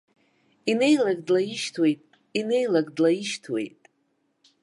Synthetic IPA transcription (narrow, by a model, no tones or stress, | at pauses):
inejlaɡdlajiʃtʰwe̞jtʼ | inejlaɡdlajiʃtʰwe̞̰jtʼ